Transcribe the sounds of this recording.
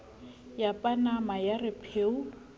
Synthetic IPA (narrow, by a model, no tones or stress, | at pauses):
japʼanamajarɪpʰeːu